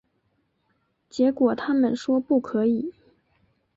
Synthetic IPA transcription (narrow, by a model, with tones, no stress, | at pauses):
t͡ɕjɛ˧˥kwɔ˨˩t̪ʰa˥mə˨nʂwɔ˥pu˥˩kʰɤ˧˥i˨˩˦